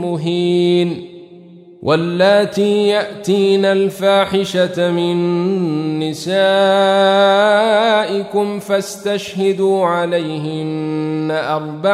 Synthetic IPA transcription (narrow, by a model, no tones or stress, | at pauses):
ʊɦiːn | wʔalːaːt̪iːjaʔt̪iːnalfaːħɪʃamɪnː | ɪsaː | ʔɪkʊmfast̪aʃhad̪uːʕalajɦɪnnːaʔɑɾˤba